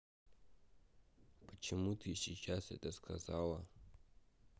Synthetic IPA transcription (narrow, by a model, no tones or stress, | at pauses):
pʰʼat͡ʃʰimutʰiʃit͡ʃʲasa̰tʼaskʰazaːwa